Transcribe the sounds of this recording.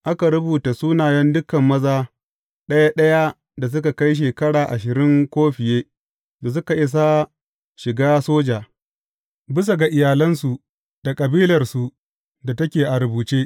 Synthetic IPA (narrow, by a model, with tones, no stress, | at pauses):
ʔa˦ka˨ɾʊ˦buː˨ta˨suː˦naː˨jɐ˦ndʊ˦kɐ˨mːɐ˦zaː˦ | ɗɐ˦ja˦ɗɐ˦ja˦ | da˨s̬ʊ˦ka˨ka˦jʃ̬eː˨kɐ˦ɽaː˨ʔa˨ʃɪ˨ɾɪ˦ŋkʷoː˦ɸɪ˨jeː˦ | da˨s̬ʊ˦ka˨ʔɪ˦s̬a˦ | ʃɪ˨ɡaː˦soː˦d͡ʒaː˨ | bɪ˦s̬a˨ɡa˨ʔɪ˨jaː˨lɐ˦nsu˨ | d̥a˨kʼɐ˨biː˦lɐ˨rsu˨ | da˨tɐ˦kʲeː˨ʔa˨ɾʊ˨buː˨t͡ʃeː˦